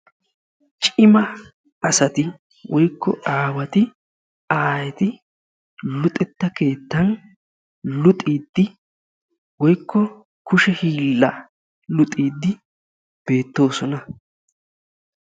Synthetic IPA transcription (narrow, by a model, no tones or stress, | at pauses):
t͡ʃʼɪmɐ | ɐsɐt̪ɪ | wɔjkːɔ̰aːwɐt̪ɪ | aːjɛt̪ɪ | lʊt̪ʼɛt̪ːɐke̞ːt̪ːɐn | lʊt̪ʼiːd̪ːɪ | wɔjkːɔ | kʊʃɛhiːlːɐ | lʊt̪ʼiːd̪ːɪ | b̥e̞ːt̪ːo̞ːsɔnɐ